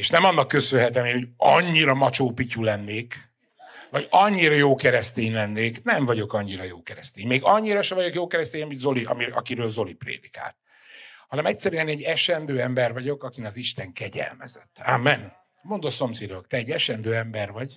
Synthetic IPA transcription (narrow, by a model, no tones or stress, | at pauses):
eːʃnɛmɒnːɒkːøsønɦɛt̪ɛmeːnhoɟɒɲːiɾɒmɒt͡ʃoːpiculɛnːeːk | vɒɟɒɲːiɾɒjoːkɛɾɛst̪eːɲlɛnːeːknɛɱvɒɟo̞kɒɲːiɾɒjoːkɛɾɛst̪eːɲmeːɡɒɲːiɾɒʃɛvɒɟo̞kjoːkɛɾɛst̪eːɲɒmid̪zo̞liɒ̰miɒ̰kiɾøːlzo̞liprḛːd̪ika̰ːlt̪̚ | hɒnɛmɛcʲsɛɾyɛnɛɟːɛʃɛnd̪øːɛmbɛrvɒɟo̞kɒkinɒziʃt̪ɛŋkɛɟɛ̰lmɛ̰zɛt̪ːaːmːɛn | mo̞nd̪oso̞msid̪okt̪ɛɛɟːɛʃɛnd̪øːɛmbɛrvɒɟ